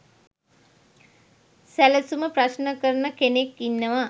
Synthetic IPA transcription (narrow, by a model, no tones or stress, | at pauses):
sæləsuməpɾaʃnəkəɾənəkenekːinːəʋa